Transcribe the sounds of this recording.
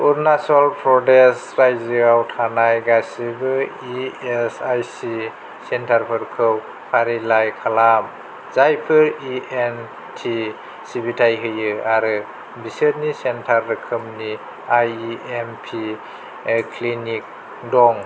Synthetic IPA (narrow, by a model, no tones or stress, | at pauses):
uɾnasalpʰɾɔdesɾajzɯawtʰanajɡasibɯ | iesajsi | sentʰaɾpʰɯɾkʰɯw | pʰaɾilajkʰalam | zajpʰɯɾien | tʰi | sibitʰajɦɯjɯaɾɯ | biseɾnisentʰaɾdɯkʰɯmni | ajiempʰi | kʰlinik̚ | dɔŋ